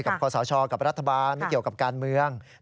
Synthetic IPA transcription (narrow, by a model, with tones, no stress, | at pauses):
ka˨˩p̚kʰɔː˧sɔː˩˦t͡ɕʰɔː˧ka˨˩p̚ɾa˦˥t̪ʰːa˧baː˧n˦ki˨˩əwka˨˩p̚kaː˧nmɯ˧əŋ